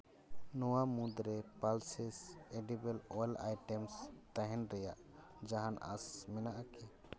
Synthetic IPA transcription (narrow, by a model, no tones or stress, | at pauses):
nɔwamũd̪ɾɛpalsɛsɛɖibɛlɔɛla̰jʈɛmst̪aɦɛnɾɛjaʔ | d͡ʒaɦana̰smɛnaʔakɛ